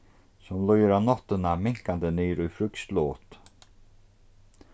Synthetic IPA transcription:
sɔmlɔjəɾanɔt̪ːənamɪŋkand̪ənyːɾʉfɾʏkst̪loːt̪

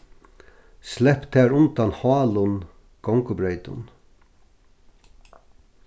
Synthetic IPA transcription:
slɛhpt̪ʰæːɹʊnt̪anhɔːlʊn | ɡ̥ɔŋkʊbɾeɪt̪ʊ̰n

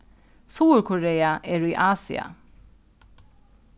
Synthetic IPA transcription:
suːɹkʰʊɹeːaʔeːɹiːʔɑːsɪ̰a̰

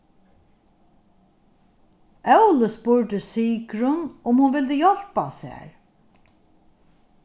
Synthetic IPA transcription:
ʔœwləspʊɹɖ̪əsiːkɾʊnʊmhʊnvɪld̪əjɔl̥pasɛ̰ːɹ

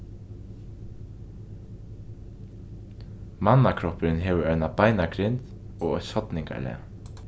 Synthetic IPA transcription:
manːakʰɾɔpɾɪnɦeːʋəɾœʏnabajnakʰɾɪnt̪ | ɔːɣɔjt̪shɔt̪nɪŋka̰ɭɛ̰ː

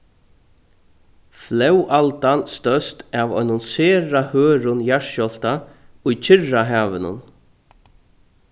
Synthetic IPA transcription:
flɛwʔalt̪anst̪œst̪avɔ̰ʏnʊnseːɾahœːɾʊnjaʂjɔl̥t̪aʊjt͡ʃʰɪrːaɦaːʋɪnʊ̰n

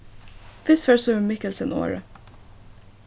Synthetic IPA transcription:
fɪsfɛɹsʉmɪkəlsənʔo̰ːɹə̰

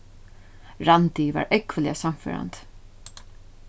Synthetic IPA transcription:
ɹant̪iva̰ɹʔɛkʋəlɪasamfø̰ːɾa̰nt̪

